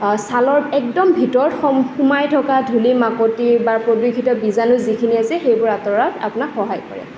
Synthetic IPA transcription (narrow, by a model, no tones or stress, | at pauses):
salɔɹɛk̚dɔmbʱitɔɹxɔxumajtʰɔkadʱulimakotiɹbaɹpɹodwikʰitɔbizanʊzikʰiniasɛxejbʊɹatɔɹata̰punakxɔɦajkɔ̰ɹɛ̰